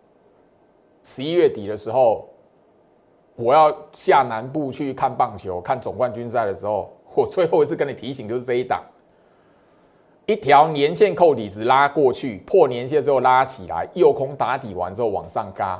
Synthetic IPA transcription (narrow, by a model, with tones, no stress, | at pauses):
ʂɻ̩˧˦i˦ɥɛ˥˩t̪i˨˩d̪ə˦ʂɻ̩˧˥˦xo˥˩ʊ | wɔ˨˩jɑ˥˧ʊɕja˥˩na˧˦npu˥˧t͡ɕʰy˥˨kʰa˥˧npɑ˥˩ŋt͡ɕʰjo˨˧˦ʊkʰa˥˩nt͡sʊ˨˩ŋkwa˥˩nt͡ɕy˥˦nsa˥˩ɪɾə˩ʂɻ̩˧˦xo˥˩ʊ | wɔ˨˩t͡swe˥˧ɪxo˥˧i˥t͡ss̩ʰ˥˧kə˦ni˨˩t̪ʰi˨˥ɕi˨˦ŋt͡ɕjo˥˧ʂ̬ɻ̩˥˧˦t͡sə˧i˥˩t̪ɑ̰˨˩˦ŋ | i˥t̪ʰjɑ˨˦ʊnjɛ˧˦nɕjɛ˥˧nkʰo˥˩ʊt̪i˨˩t͡sɻ̩˨˩la˦kwɔ˥˧t͡ɕʰy˥˩pʰɔ˥˨njɛ˧˦nɕ̬jɛ˥˧˨t͡sɹ̩˥o˥˩ʊla˦t͡ɕʰi˨˩la̰˨˦ɪjo˥˩ʊkʰʊ˦ŋt̪a˧˥t̪i˨˩wa̰˧˦nt͡s̩˧˥ho˥˩˨wɑ̰˨˩ŋsɑ˥˩ŋka˦˥